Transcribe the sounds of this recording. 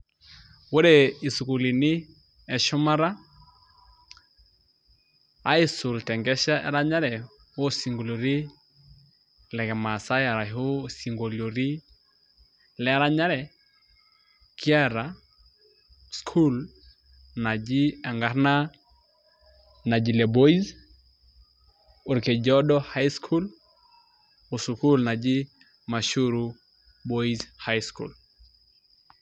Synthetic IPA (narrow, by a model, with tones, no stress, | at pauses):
wo˦ɾe˨i˨su˨ku˨li˨nɪ˦ | ɛ˨ʃʊ˦ma˦ɾa˦ | a̰˦ɪ˦sʊ˨ltɛ˨ŋɡɛ˦ʃa˦ʔɛ̰˨ɾa˦ɲa˦ɾɛ˨ | o˦si˨ŋɡo˨lo˨ɾi˦ | lɛ˨kɛ˨ma˨sa˦ja˨ɾa˨o˦si˨ŋɡo˨ljo˨ɾi˦ | lɛ˦ɾa˦ɲa˦ɾɛ˨ | ki˦ɛ˦ɾa˨ | skʰu˦l | na˨d͡ʒi˦ɛ˨ŋɡa˨ɾna˦ | na˨d͡ʒi˨lɛ˨bo˦i˦z | o˨ɾke˨d͡ʒɔ˦dɔ˦ha˦jskʰu˦l | u˨su˨ku˦lna˨d͡ʒi˦ | ma˨ʃu˦ɾu˦ | bo˦i˦zha˦jskṵ˨l